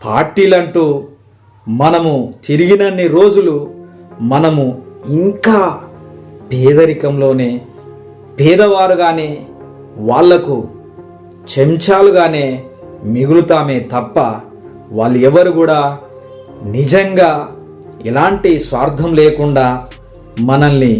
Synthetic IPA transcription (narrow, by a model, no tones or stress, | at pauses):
pʰaːɾʈiːlɐɳʈuː | mɐnɐmut̪iɾiɡinɐnːiɾo̞ːd͡ʒulu | mɐnɐmuiŋkaː | bʱɛːd̪ɐɾikɐmlo̞ːneː | b̥ɛːd̪ɐʋaːɾuɡaːne̞ː | ʋaːɭːɐku | t͡ʃemt͡ʃaːluɡaːne̞ː | miɡulut̪aːme̞ːt̪ɐpːɐ | ʋaːɭːuɛʋːɐɾuɡuːɽaː | nid͡ʒɐŋɡaː | ilaːɳʈisʋaːɾd̪ʱɐmleːkuɳɖaː | mɐnɐnːi